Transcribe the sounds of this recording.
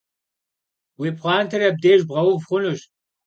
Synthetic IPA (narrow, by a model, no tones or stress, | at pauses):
wiːpχʷɑːntʰɨɾɐb̚deːʒbʁɐwʊbχʷʊnuɕ